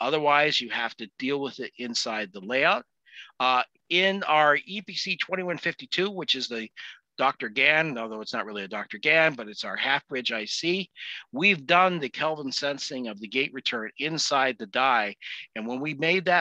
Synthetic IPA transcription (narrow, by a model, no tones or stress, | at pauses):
ʌðə˞waɪzjɨhæftɨd̥ilˠwəðɪɾɪ̃nsaɪd̪̚ðəleɪaʊt̚ | ɪ̃naə˞ʔipisitʰw̥ɛ̃ɾ̃iwʌ̃nfɪftitʰʉwɨt͡ʃɨzðɨ | d̥ɔk̚tə˞ɡæ̃nɔlˠðoʊətsnət̚ɹɪlˠiɨdɔk̚tə˞ɡæ̃nbʌɾɨtsʊə˞hæfb̥ɹɪd͡ʒaɪsiwivdʌ̃nðɨkʰɛlˠvə̃n̩sɛ̃nsɪ̃ŋʌvðɨɡeɪʔ̚ɹɨtʰɜ̃˞nɪ̃nsaɪd̪̚ðɨdaɪɨ̃nwə̃nwimeɪd̪̚ðɨ